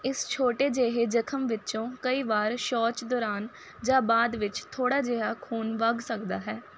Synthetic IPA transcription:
ɪst͡ʃʰoːʈeːd͡ʒeːɦeːd͡ʒəkʰəmʋɪt͡ʃõːkəiːʋaːɾʃɔːt͡ʃd̪ɔːɾaːn | d͡ʒãːbaːd̪ʋɪt͡ʃt̪ʰoːɽaːd͡ʒeːɦaːkʰuːnʋəɡsəkd̪aːɦɛː

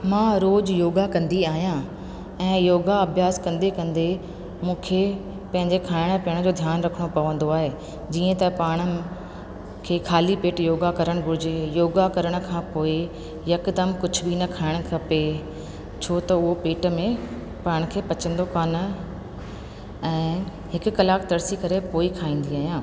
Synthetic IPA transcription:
mãːɾoːd͡ʑjoːɡakɐ̃nd̪iaːɦijã | ɛ̃ːjoːɡaɐbʱjaːskɐ̃nd̪ekɐ̃nd̪e | mũːkʰe | pɐ̃ɦɪ̃ɲd͡ʑekʰaːɪɽ̃pɪəɽ̃̆d͡ʑoːd̪ʱjaːnɾɐkʰəɽ̃opɐʋə̃nd̪oaːɦeː | d͡ʑiːə̃t̪ɐpaːɽ̃ə | kʰeːkʰaːlipeːʈjoːɡakɐɾəɽ̃ɡʱʊɾɪd͡ʑejoːɡakɐɾəɽ̃ə̆kʰãːpoːɪ | jɐkd̪əmkʊd͡ʑʱʊbinɐkʰaːɪɽ̃kʰɐpe | t͡ɕʰoːt̪ɐʊɦopeːʈ̆mẽ | paːɪɽ̃kʰeːpɐt͡ɕə̃nd̪okaːnə̆ | ɛ̃ː | ɦɪkʊ̆kɐlaːkt̪ɐɾsikɐɾepoːikʰaːĩːn̆d̪iaːɦijãː

